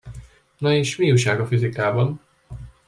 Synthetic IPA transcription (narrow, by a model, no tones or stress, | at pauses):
nɒeːʃmiuʃaːɡɒfizikaːbɒn